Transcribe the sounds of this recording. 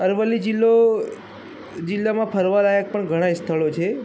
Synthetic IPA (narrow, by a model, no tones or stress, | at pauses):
əɾʋəlːid͡ʒilːo | d͡ʒilːamãpʰəɾʋaɾajək̚pəɳɡʱəɽ̃aist̪ʰəɭot͡ʃʰe